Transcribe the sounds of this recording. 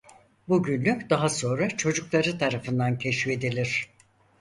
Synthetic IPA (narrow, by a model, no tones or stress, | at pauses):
buɟynlʲycʲd̪aɦaso̞nɾat͡ʃʰo̞d͡ʒuklˠaɾɯt̪ʰaɾafɯnd̪ancʰɛʃfe̞d̪ilʲiɾ̥